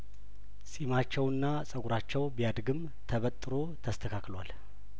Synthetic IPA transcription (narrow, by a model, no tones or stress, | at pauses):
sʼimat͡ʃːɛwɨnːasʼəɡuɾat͡ʃːɛwbijad̪ɡɨm | t̪ʰəβət̪ʼːɨɾo̞t̪ʰəst̪ʰəkʰaklwal